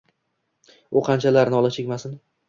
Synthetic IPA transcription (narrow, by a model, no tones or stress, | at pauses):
ʊqʰɑnt͡ʃʰalaɾnɪɒlˠat͡ʃʰekʲmasɪn